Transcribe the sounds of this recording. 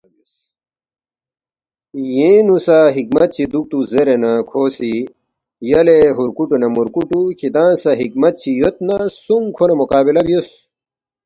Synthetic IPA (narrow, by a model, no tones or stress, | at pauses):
jẽnusaɦikmɐt̪̚t͡ɕʰid̪uk̚t̪uzeɾenɐkʰoːsi | jɐleɦuɾkuʈunɐmuɾkuʈukʰid̪ãːnsɐɦik̚mɐt̪̚t͡ɕʰijot̪̚nɐsuŋkʰonɐmukaːbilɐbijos